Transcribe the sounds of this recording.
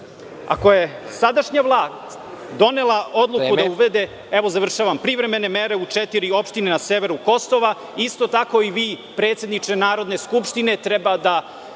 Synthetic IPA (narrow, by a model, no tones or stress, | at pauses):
a̰ko̞je̞sad̪aʃɲavlˠaːst̪ | d̪o̞ne̞lˠaʔo̞d̪lˠukud̪auʋed̪e | ɛʋo̞zaʋr̩ʃaʋampɾiʋɾeme̞nemeɾe̞ut͡ʂɛt̪iɾio̞pʃt̪inenaseʋeɾuko̞soʋa | ist̪o̞t̪ako̞iʋiːpɾet̪sjed̪nit͡ʃenaːɾo̞d̪ne̞skupʃt̪ine̞t̪ɾɛbad̪a